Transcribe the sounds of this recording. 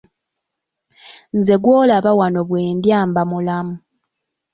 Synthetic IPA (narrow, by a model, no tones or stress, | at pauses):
nze̞ɡwoːlaβawano̞βweːndjaːmbamulamu